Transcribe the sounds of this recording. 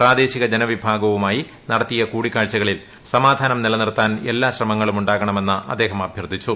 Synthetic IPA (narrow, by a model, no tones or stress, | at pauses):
praːd̪e̞ːɕiɣɐd͡ʑenɐʋibʱaːɡɐʋumaːji | nɐɽɐt̪ːijɐkuːɽikːaːɭt͡ɕːɐɣɐɭil | sɐmaːd̪ʱaːnɐmnilɐnirt̪ːaːne̞̰lːaːɕrɐmɐŋːɐɭumuɳɖaːɣɐɳɐme̞nːɨʔɐ̰d̪ːe̞ːɦɐmɐbʱjɐrd̪ʱit͡ɕːu